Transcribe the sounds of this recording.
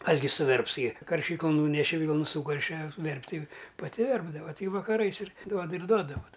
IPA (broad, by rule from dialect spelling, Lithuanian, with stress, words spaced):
ˈkɐs ɡʲɪ sʊˈʋʲɛrps ɡʲɪ kɐrʲˈʃʲiːklˠʊn ˈnuːnʲɛʃʲɛ ˈʋʲiːlˠnʊ ˈsuːkɐrʲʃʲɛ ˈʋʲɛrʲpʲtʲɪ pɐˈtʲɪ ˈʋʲɛrbdɐʋɐ ˈtʲɪ ʋɐkɐˈrɐɪs ɪr ˈduɔdɐ ɪr ˈduɔdɐ ʋoːt